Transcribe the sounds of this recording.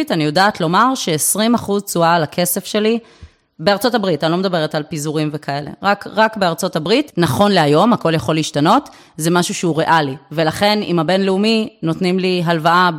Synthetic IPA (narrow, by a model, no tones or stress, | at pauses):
tanijo̞daːtlo̞maʁʃe̞ːsʁimaχuzt͡sualakʰe̞sefʃe̞li | be̞aʁt͡so̞tabʁitanilo̞med̪abe̞ʁetalpizuʁimvekʰae̞le̞̰ʁakʁakbeaʁt͡so̞tabʁitnaχo̞nleajo̞mhako̞ljaχo̞liːʃtano̞t | zemaʃuʃeuʁeʔalive̞laχe̞nḭmhabe̞nleumino̞tnimliɦalvaa